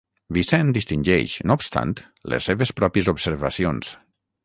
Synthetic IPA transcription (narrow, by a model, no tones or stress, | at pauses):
βisɛnd̪ist̪inʲd͡ʒɛ̰ʃnopst̪a̰nt̪ | lḛsːeβespɾɔpjezubseɾβasions